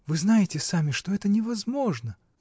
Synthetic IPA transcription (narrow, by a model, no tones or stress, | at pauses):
vɨznajɪtʲɪsamʲɪʂt̪oɛt̪ənʲɪvɐzmo̞ʐnə